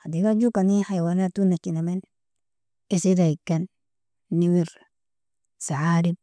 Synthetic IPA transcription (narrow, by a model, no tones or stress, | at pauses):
hadiɡad͡ʒukanihajwanat̪unat͡ʃinamen | esiɾaikːanː | iwiɾ | saʕaɾib̚